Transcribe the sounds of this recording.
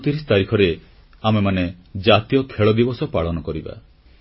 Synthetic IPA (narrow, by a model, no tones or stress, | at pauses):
t̪iɾist̪aɾikʰɔɾe | amemaned͡ʒat̪ijɔkʰeɭɔd̪ibɔsɔpaɭɔnɔkɔɾiba̰